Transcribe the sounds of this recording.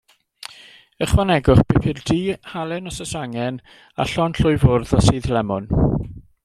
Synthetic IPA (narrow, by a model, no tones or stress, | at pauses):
əχwanɛɡʊχb̥ɪpʰɪrdiːhalˠɛnɔsəsaŋɛn | a̰ɬɔnɬʊjvʊrðasiːðlɛmʊn